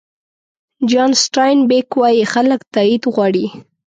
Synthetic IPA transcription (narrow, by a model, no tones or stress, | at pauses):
d͡ʒɑnsʈɑjnbekwɑjixaləkt̪ɑid̪ɣwɑɽi